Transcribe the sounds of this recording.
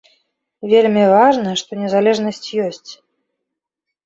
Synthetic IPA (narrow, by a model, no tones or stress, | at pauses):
vʲelʲmʲivaʐnɐʂt̪ɔnʲɛzalʲɛʐnɐsʲt͡sʲjɔsʲt͡sʲ